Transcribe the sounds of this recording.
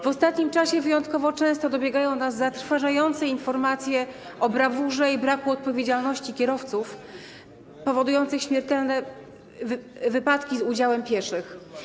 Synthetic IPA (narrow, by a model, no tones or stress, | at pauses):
vɔst̪at̪ɲimt͡ʂaɕɛvɘjɔnt̪kɔvɔt͡ʂɛ̃w̃st̪ɔd̪ɔbʲjɛɡajɔ̃w̃nazːat̪ɾfaʐajɔnt̪sɛinfɔɾmat̪sʲjɛ | ɔbɾavuʐɛibɾakuɔt̪̚pɔvʲjed͡ʑalnɔɕt͡ɕikʲɛɾɔft̪suf | pɔvɔd̪ujɔnt̪sɘxɕmʲjɛɾt̪ɛlnɛ | vɘpat̪kʲizud͡ʑawɛmpʲjɛʂɘx